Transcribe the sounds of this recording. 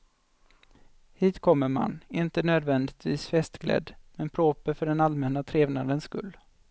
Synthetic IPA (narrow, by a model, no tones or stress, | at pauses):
hiːt̪kʰɔmːəɾma̰nɪnt̪ənøːd̪vɛnd̪ɪt̪viːsfɛst̪ɡlɛ̰d̪ːmɛnpʰɾoːpəfœɖɛnalmɛnːat̪ʰɾeːvnad̪ənskɵ̰lː